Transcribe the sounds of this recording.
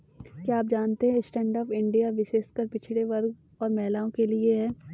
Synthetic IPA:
kiaːp̚d͡ʒaːnt̪eɦɛ̃ɪsʈɛ̃ːɳɖɔːpɪ̃ɳɖijaʋɪʃeːskɐɾpɪt͡ʃʰleʋɐɾɡ | ɔːɾmɛːlaːõkelieɦɛː

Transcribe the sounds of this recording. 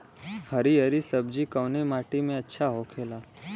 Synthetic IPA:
həɾiəɾisəbd͡ʒikəwnemaːʈimẽɐtːʃʰaɦokʰeːlaː

